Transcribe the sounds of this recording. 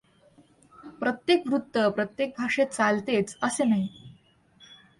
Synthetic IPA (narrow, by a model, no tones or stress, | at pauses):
pɾət̪jekʋɾut̪ːəpɾət̪jek̚bʱaʂet̪̚t͡salt̪et͡səsenəɦi